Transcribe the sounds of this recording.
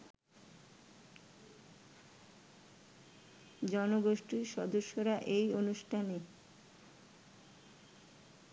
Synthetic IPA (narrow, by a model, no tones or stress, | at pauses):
d͡ʑɔnoɡoʃʈiɾʃɔd̪oʃːoɾaʔejonuʃʈʰane